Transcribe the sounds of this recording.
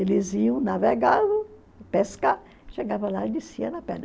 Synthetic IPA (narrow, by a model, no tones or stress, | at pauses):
elɪziɐ̃w̃naveɡaðʊ | peska | ʃeɡavɐ̃laid͡ʒɪsiɐnɐpɛ̰̃nɐ